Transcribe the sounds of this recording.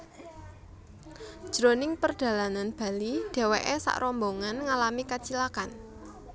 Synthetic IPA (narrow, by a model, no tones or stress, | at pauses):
ʒ̥ɾonɪŋpərɖ̥ä̤lananb̥a̤lid̪̥e̤weʔesa̰ʔɾɔmboŋanŋalamikat͡ʃilakan